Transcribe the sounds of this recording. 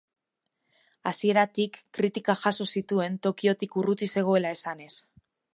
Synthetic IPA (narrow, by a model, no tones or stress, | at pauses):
asie̞ɾat̪ikːɾit̪ikaxaso̞sit̪ue̞nt̪o̞kio̞t̪ikurut̪ise̞ɣ̞o̞e̞lae̞sane̞s